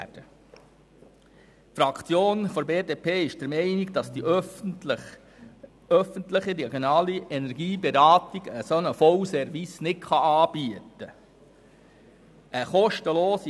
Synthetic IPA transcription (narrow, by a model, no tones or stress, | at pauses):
d̥ə | fɾɑkt͡sjoːnfɔɾbeːdeːpʰeːɪʃd̥əɾmɛɪniɡd̥ɑsd̥i | œfəntləχidɛɡjonɑːliʔɛnɛɾɡiːbeɾɑːt̪iɡəsonəfɔwsɛɾvisnɪtχɑɑːb̥yətə | əχɔʃtəloːsi